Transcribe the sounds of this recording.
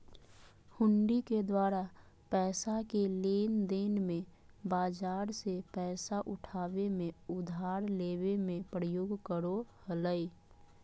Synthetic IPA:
hʊ̃ɳɖiked̪waːɾa | pɛːsakeleːnd̪eːnmẽ | baːd͡ʒaːɾsepɛːsaʔʊʈʰaːbemẽʊd̪ʱaːɾleːwemẽpɾəjoːɡkəɾohələi

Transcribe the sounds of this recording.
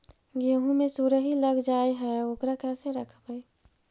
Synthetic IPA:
ɡəɦũmesuɾəɦiləɡd͡ʒaeɦɛokɾakɛseɾəkʰbəj

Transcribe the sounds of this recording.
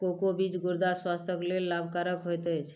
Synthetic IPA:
kokobid͡ʒɡuɾd̪aswast̪ʰəklelːabʱkaɾəkɦojt̪ət͡ʃʰ

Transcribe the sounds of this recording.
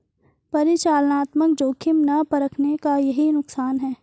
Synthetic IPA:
pɐɾɪt͡ʃaːlnaːt̪mək̚d͡ʒoːkʰɪmnɐpɐɾəkʰnekajɐɦinʊksaːnɦɛː

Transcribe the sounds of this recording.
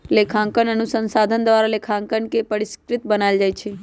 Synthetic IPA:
lekʰãŋkənənusə̃nsad̪ʱənd̪ʋaɾalekʰãŋkəɳkepəɾiskɾɪt̪bənald͡ʒajt͡ʃʰe

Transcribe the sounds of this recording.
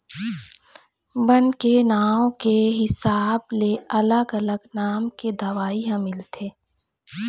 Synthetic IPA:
bənkenaːõkeɦɪsaːbleʔɐləɡələɡnaːmked̪ɐʋaːiɦãmɪlt̪ʰeː

